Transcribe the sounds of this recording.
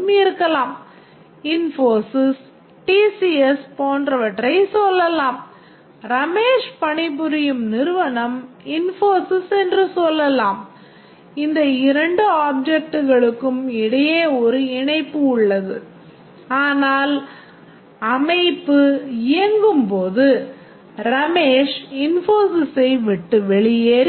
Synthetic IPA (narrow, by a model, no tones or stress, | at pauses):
mɪɪɾɯkːɐlaːm | ɪnfoːsɪs | ʈiːsiɛspoːndrɐʋɐʈrɐɪsɔlːɐlaːm | ɾɐmeːʂpɐɳɪbɯɾɪjɯmnɪɾɯʋɐɳɐmɪnfoːsɪsɛndrɯsɔlːɐlaːm | ɪnd̪ɐɪɾɐɳɖɯaːb̚d͡ʒɛk̚ʈɯɣɐɭɯkːɯmɪɽɐjeːɔɾɯɪɳɐɪpːɯʊɭːɐðɯ | aːnaːl | ɐmɐɪpːɯɪjɐŋɡɯmpoːðɯ | ɾɐmeːʂɪnfoːsɪsɐɪʋɪʈːɯʋɛɭɪjeːɾi